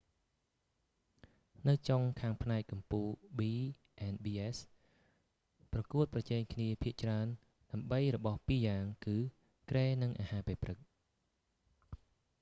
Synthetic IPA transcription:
nɨwt͡ɕoŋkʰaːŋpʰnaɛkkːɑmpuːlɓiː | ʔenɓiːʔes | prɑkuət̪̚prɑt͡ɕɛːŋkʰniəpʰiəʔt͡ɕraən | ɗaəmɓəjrɔɓɑhpiːjaːŋkɨː | kreːnɨŋʔaːhaːpɛːprɨk̚

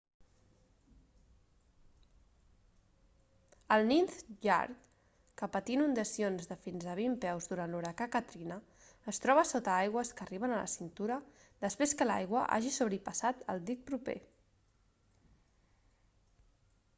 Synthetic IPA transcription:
əlˠninθʒa̰ɾt̪ | kəpət̪inund̪əsionzðəfinzəβ̞impɛwzðuɾant̪luɾəkakət̪ɾinəː | st̪ɾɔβəsot̪əajɣ̞wəskəːriβ̞ənələ̰sint̪uɾə | d̪əspɾeskəla̰jɣwəʔa̰ʒisuβɾipəsat̪ə̰lˠd̪ik̚pɾupḛ

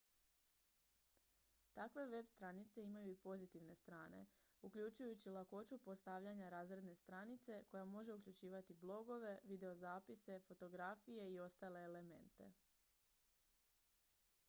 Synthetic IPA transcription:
t̪akʋe̞ʋe̞bst̪ɾanit̪se̞imajuipo̞zit̪iʋne̞st̪ɾaːne̞̰ukʎut͡ʃujut͡ɕilˠako̞t͡ʃupost̪aʋʎaɲaɾaːzɾe̞d̪ne̞st̪ɾanit̪se̞ko̞jamo̞ʒe̞ukʎut͡ɕiːʋat̪iblˠo̞ɡo̞ʋe̞ʋid̪e̞o̞zaːpise̞fo̞t̪o̞ɡɾafije̞io̞st̪aːle̞ːle̞me̞̰nt̪e̞̰

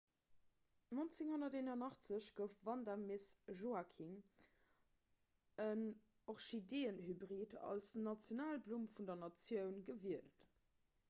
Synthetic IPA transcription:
nont͡seŋhonɐteːnɐnɑχt͡səɕɡ̥əfvɑndamesʒoakʰiŋ | ən | oχʃideːənhybʁitɑ̰lsnɑt͡sjonaːlblumfundɐnɑt͡sjəʊnɡəviəlt

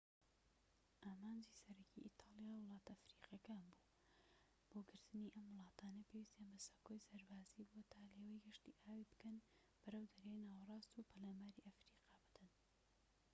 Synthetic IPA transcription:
ʔaːmaːnd͡ʒiːsɐɾɐcʰḭʔit̪ʰɑːlˠjaːwɨlˠɑːt̪ɐfɾiːqjɐkaːnbu̥ː | b̥oɡɨɾt̪ɨniʔɐmwɨlˠɑːt̪ʰaːnɐpʰewist̪anbɐsako̞jsɐɾbaːziːbuwt̪ʰaːleːwɐjɡɐʃt̪iʔaːwibɨkɐn | b̥ɐɾɐwd̪ɐɾenaːwɐrˤɑːst̪upʰɐlaːmaːɾiʔɐfɾiːqɑːbɨd̪ɐn

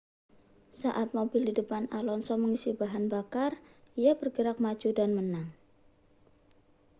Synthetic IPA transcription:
saʔat̪̚mobɪldidəpanalɔnsɔməŋisibaɦanbakar | ʔijabərɡəɾak̚mḁd͡ʒudanmənaŋ

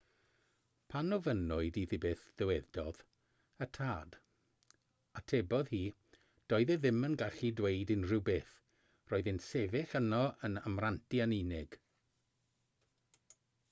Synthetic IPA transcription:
pʰanɔvənʊɨdiðɨbeːθðɛwɛðdɔð | ətʰaːd̥ | atʰebɔðhiː | d̥ɔːɨðɛðɪmənɡaɬidwejdɪnrɪwbeːθ | roːɨðɪnsɛvɪənɔʔənamrantʰianinɪɡ̥

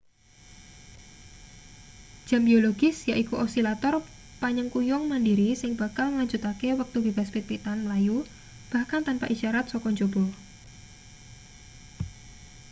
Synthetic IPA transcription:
ʒ̥ambioloɡɪsjaʔikuʔosilat̪ɔr | paɲəŋkujɔŋmandiɾisɪŋb̥akalŋəlaɲd͡ʒut̪akewək̚t̪ubeb̥aspit̪̚pit̪anmlaju | b̥ahkant̪anpaʔiʃaɾat̪̚sɔkɔɲd͡ʒob̥ɔ

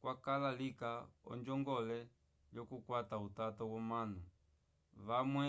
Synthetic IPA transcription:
kwakalalikaɔ̰nd͡ʒɔŋɡɔlɛ | ljɔkukwatautatɔwɔmanu | ʋamwɛ

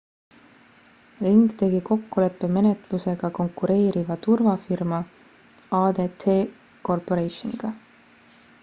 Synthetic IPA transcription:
riŋɡ̥t̪e̞ɡ̥iko̞kːule̞pːeme̞net̪luse̞ɡ̥ɑko̞ŋkːuɾe̞ːɾʔivɑt̪urvɑfirmɑ | ɑːd̪̥e̞t̪ʰeː | ko̞rpo̞ɾejʃonḭɡ̥ɑ

